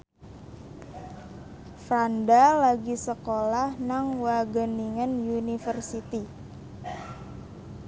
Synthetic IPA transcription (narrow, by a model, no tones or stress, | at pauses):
fɾandalaɡisəkolahnaŋwaɡəniŋənjunifərsit̪i